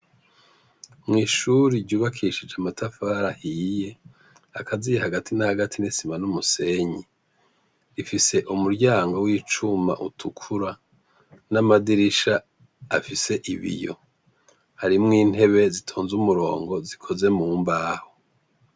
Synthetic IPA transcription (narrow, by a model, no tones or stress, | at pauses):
mŋiːʃuɾiɾɟuːβakʰiʃid͡ʒeamatʰafaːɾahije̞ | akʰazijehaɡatʰinahaɡatʰinisimanumuse̞ɲi | ɾifise̞ʔumuɾɟaːŋɡo̞wiːt͡ʃuma̰ʔutʰukʰuɾa | namadiɾiʃa | afise̞ʔiβḭjo̞̰ | haɾimŋiːn̥he̞βe̞zitʰoːnzumuɾo̞̰ːŋɡo̞zikʰo̞ze̞muːmbaːho